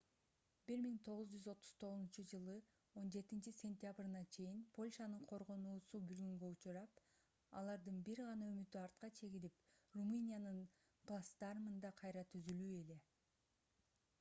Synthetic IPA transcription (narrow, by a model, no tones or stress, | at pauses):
b̥iɾmiŋt̪ʰo̞ʁuzd͡ʒyzo̞t̪ʰːu̥z̥t̪ʰo̞ʁuzunt͡ʃud͡ʒɯlˠɯ | o̞nd͡ʒe̞t̪int͡ʃisʲe̞nʲt̪ʲjabrnɑt͡ʃʰe̞jinpʰo̞lʲʃɑnɯɴqʰo̞ɾʁonuːsubylɡyŋɡø̞ut͡ʃuɾɑp | ɑ̰lˠɑɾd̪ɯnbiɾʁɑnɑømyt̪yɑɾt̪̚qɑt͡ʃʰe̞ɡiliprumɨnʲijanɯn | plˠast̪ɑɾmɯnd̪ɑqʰɑjɾɑt̪ʰyzylyːe̞le̞